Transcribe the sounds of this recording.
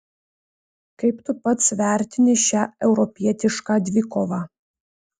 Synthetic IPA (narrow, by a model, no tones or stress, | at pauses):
kɐɪpt̪ʊpɐt̪sʋʲæˑɾʲt̪ʲɪnʲɪʃʲæːɛʊɾɔpʲiɛt̪ʲɪʃkɑːd̪ʲʋʲɪkoːʋɑ